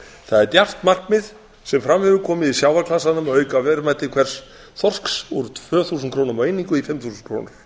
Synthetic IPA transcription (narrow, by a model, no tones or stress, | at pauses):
θaðɛɾt̪jar̥t̪mar̥kmɪð | sɛmfɾamvɪvʏkʰɔːmɪðisjaːwvaɾkʰlasanʏmawœːɥkavɛːɾʏmɛt̪ːɪkʰvɛr̥s | θɔr̥ksuɾʏt̪ʰv̥œːθusʏnkʰɾoːwnʏmaweːjniŋkʏifɪmθusʏnkʰɾo̰wnʏɾ̥